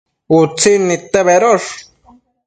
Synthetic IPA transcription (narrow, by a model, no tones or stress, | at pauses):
ut͡sinit̪ːeβeɾoʂ